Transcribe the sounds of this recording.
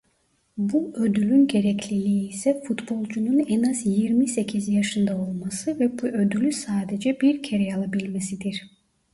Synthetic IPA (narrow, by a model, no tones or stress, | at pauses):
buø̞d̪ylʲynɟe̞ɾɛclʲilʲiiːsɛfut̪bo̞lˠd͡ʒununɛnazjiɾmise̞cʰizjaʃɯnd̪ao̞lˠmasɯvɛbuʔø̞d̪ylʲysaːd̪e̞d͡ʒɛbiɾcʰeɾɛalˠabilʲme̞sid̪iɾ̥